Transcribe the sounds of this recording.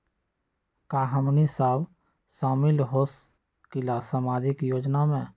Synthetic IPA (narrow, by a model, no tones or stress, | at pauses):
kaːɦəmnisaːw | saːmɪlɦoːs | kɪlasəmaːd͡ʒikjoːd͡ʒnamẽ